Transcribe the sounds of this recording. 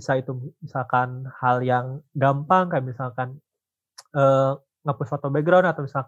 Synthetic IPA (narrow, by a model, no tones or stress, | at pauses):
isait̪umisalkanhaljaŋɡampaŋkajamisalkan | ə | ŋapusfot̪obɛɡɾawnat̪awmisalk